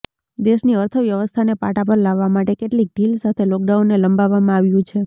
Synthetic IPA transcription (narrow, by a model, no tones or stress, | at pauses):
d̪eʃniəɾt̪ʰəʋjəʋəst̪ʰanepa̰ʈapəɾlaʋːamaʈekeʈlik̚ɖilsat̪ʰelɔk̚ɖawnːeləmbaʋamãaʋjũt͡ʃʰe